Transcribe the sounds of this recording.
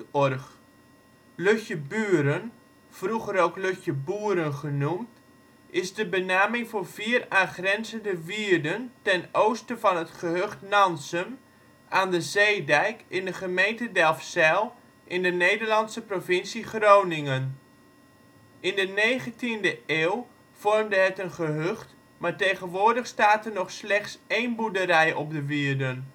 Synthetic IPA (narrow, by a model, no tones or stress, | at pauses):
ɔrx | løçjəbyəɾən | fruɣəɾoːwkløçjəbuːɾənχənumt | ʔɪzdəbənaːmɪŋfoːrviːraːχrɛnzəndəʋiərdəntɛnowstəvɑnətχəhøχtnɑnsəm | aːndəzejdɛjkɪndəχəmejntədɛlˠfsɛlˠ | ʔɪndənejdəɹlɑnsəprovɪnsiχrownɪŋən | ɪndənejχəntindəeːwˠ | v̥ɔrmdəɦətənχəɦøχt | maːɹtejχənʋʊːɹdəχstaːtənɔχslɛχtsejnbudəɾɛjɔp̚dəʋiərdən